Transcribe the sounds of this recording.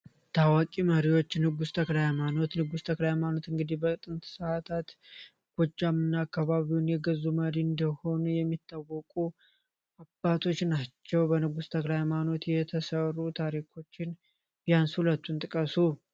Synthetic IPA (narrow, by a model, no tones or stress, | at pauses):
t̪ʰawakʼiməɾiwo̞t͡ʃːnɨɡust̪ʰəklajmano̞t̪nɨɡust̪ʰəklajɛmano̞t̪ɨŋɡɨd̪ihbət̪ʼɨnt̪ʰsəat̪ʰat̪ | ɡ̥od͡ʒːamɨnːaːkːaβaβiwunjɛɡəzːuməɾiɨnd̪əho̞nujɛmːit̪ːawːɔkʼu | abːat̪ʰo̞t͡ʃːnat͡ʃːɛwbənɨɡust̪ʰəklajmano̞t̪jɛt̪ʰəsərːut̪ʰaɾikʰo̞t͡ʃːɪn | bɪjanshulət̪ːunt̪ʼɨkʼəsu